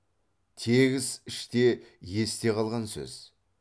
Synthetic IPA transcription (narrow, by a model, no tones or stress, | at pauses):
t̪ʰe̞ɡʲɪzɪʃt̪e̞je̞st̪e̞qʰɑlˠʁɑnsɵ̰z̥